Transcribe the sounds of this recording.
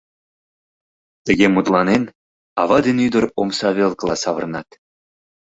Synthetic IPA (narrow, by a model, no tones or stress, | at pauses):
t̪ə̆ɣʲemut̪lˠɑnen | ɑβɑd̪enyd̪ə̆romsɑβʲelˠkəlˠɑsɑβɤ̰̆rnɑt̪